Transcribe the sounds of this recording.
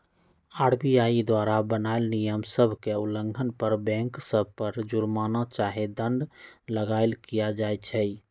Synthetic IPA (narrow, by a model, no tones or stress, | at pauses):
aɾbijaid̪waɾabənaelnijəmsəbʱkeuləŋɡʱənpəɾbɛ̃ŋksəbʱpəɾd͡ʒuɾmanat͡ʃaɦed̪ə̃ɳɖləɡaɪlkijad͡ʒajt͡ʃʰɛ